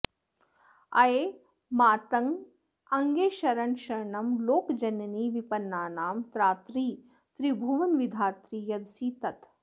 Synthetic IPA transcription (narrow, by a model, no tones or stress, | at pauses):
ɐ̰jeː | maːt̪ɐŋ | ɐŋɡeːʃɐɾɐɳʃɐɾɳɐmloːkd͡ʒɐnɐniːʋipɐnːaːnaːmt̪ɾaːt̪ɾiː | t̪ɾibʱuʋɐnʋid̪ʱaːt̪ɾiːjɐd̪siːt̪ɐt̪